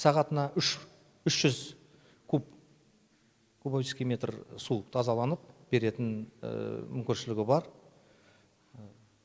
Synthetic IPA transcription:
sɑʁɑt̪ənɑʔʏʃ | ʏʃʒ̥ʏz | kʰu | kʰubabeskʲijmʲe̞t̪rsut̪ʰɑzɑlˠɑnəp̚b̥e̞ɾe̞t̪ɪn̰ | mʏmkʲɪnʃɪlɪɡʲɪbɑɾ

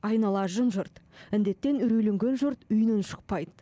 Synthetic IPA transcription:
ɑjnɑlˠɑʒənʒʊɾt̪ɪnd̪e̞t̪ːe̞nʏɾejle̞ŋɡʲe̞nʒʊɾt̪ʏjnɪnʃə̥q̚pɑjd̪

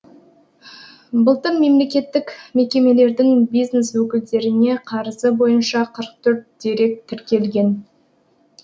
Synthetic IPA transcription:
bəlˠt̪ənme̞mle̞kʲe̞t̪ːɪkme̞kʲe̞me̞le̞ɾd̪ɪŋbijzneswɵkʲɪld̪e̞ɾɪne̞qʰɑɾəsəbo̞jənʃɑqʰəɾəq̚t̪ʰɵɾt̪̚d̪̥eɾe̞k̚t̪ʰɪɾkʲe̞lɡʲe̞n

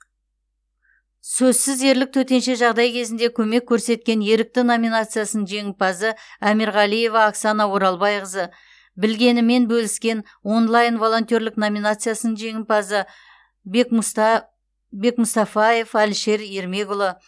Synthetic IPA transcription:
sɵzsɪze̞ɾlɪk̚t̪ʰɵt̪e̞nʃe̞ʒɑʁd̪ɑjkʲʰe̞zɪnd̪e̞kʲʰɵme̞kʲʰːɵɾse̞t̪̚kʲe̞nje̞ɾɪk̚t̪ɪno̞minat̪sɨjasənənʒe̞ŋɪpɑzəæmiɾʁɑlˠije̞vɑːksɑnɑwo̞ɾɑlˠbɑjqəzə | bɪlɡʲe̞nɪme̞nbɵlɪskʲe̞n | wo̞nlˠajnvo̞lˠo̞nt̪ʲjo̞ɾlɪkno̞minat̪sɨjasənənʒe̞ŋɪnpɑzə | bk | be̞kmʊst̪ɑfɑje̞fælʃe̞ɾe̞ɾme̞ɡʊlˠə

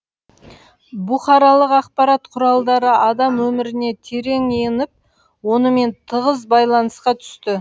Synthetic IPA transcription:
bʊχɑɾɑlˠəqɑq̚pɑɾɑt̪qʰʊɾɑlˠd̪ɑɾəʔɑd̪ɑmwɵmɪɾɪne̞t̪ʰe̞ɾe̞ŋijɪnɪp̚ | wo̞nəme̞nt̪ʰəʁəzbɑjlˠɑnəsqɑt̪ʰʏ̥st̪ɪ

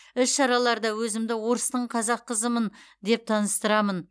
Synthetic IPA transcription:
ʏsʃɑɾɑlˠɑɾd̪ɑwɵzɪmd̪ɪwo̞ɾəst̪əɴqʰɑzɑqːəzəmənd̪e̞p̚t̪ʰɑnəst̪əɾɑmən

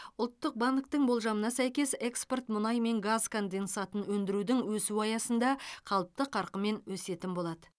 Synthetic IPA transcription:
ʊlˠt̪ːəq̚bɑŋk̚t̪əɴbo̞lˠʒɑmənɑsæjkʲe̞se̞kspo̞rt̪mʊnɑjme̞ŋɡazkʰo̞nd̪e̞nsɑt̪ənwɵnd̪ɪɾud̪ɪŋwɵsuɑjɑsənd̪ɑqʰɑlˠəp̚t̪əqʰɑɾqəme̞nwɵse̞t̪ɪnbo̞lˠɑd̪ə

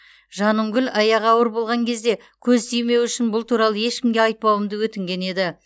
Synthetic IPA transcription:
ʒɑnəŋɡʲɪlʲɑjɑʁɑwəɾbo̞lˠʁɑŋkʲʰe̞zd̪e̞ | kʲʰɵzt̪ʰijme̞wʏʃɪnbʊlˠt̪ʰuɾɑlˠəje̞ʃkʲɪmɡʲe̞ɑjt̪̚pɑwəmd̪əwɵt̪ɪŋɡʲe̞ne̞d̪ɪ

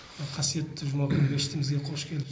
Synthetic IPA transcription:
qʰɑsije̞t̪ːɪʒʊmɑkənbeʃɪ̥t̪ɪmɪzɡʲeqʰoʃkʲʰe̞lɪp

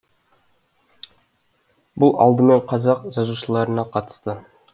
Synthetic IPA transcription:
bʊlˠɑ̰lˠd̪əmeɴqʰɑzɑqʒɑzuʃəlˠɑɾənɑqʰɑt̪ə̥st̪ə

